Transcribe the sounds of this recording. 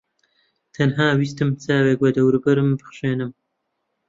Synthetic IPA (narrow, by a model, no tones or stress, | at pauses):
t̪ʰɐnɦaːwist̪ɨmt͡saːweːk̚wɐd̪ɐwɾɨbɐɾɨmbɨχʃeːnɨm